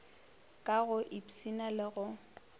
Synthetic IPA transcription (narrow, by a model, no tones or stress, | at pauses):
kʼaɣʊʔipsinalɪɣʊ